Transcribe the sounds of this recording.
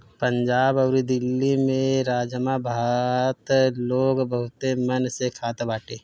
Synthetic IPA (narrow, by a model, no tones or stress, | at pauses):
pə̃ɲd͡ʒaːbɐʊɾid̪ɪlːimẽɾaːd͡ʒəmabʱaːt̪loːɡbəɦʊt̪emɐnsekʰaːt̪baːʈeː